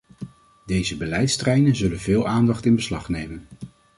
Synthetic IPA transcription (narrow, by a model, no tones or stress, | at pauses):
dejzəbəlɛjtstrɛjnənzɵlənvɪːlˠʔaːndɑχtɪnbəslɑχnejmən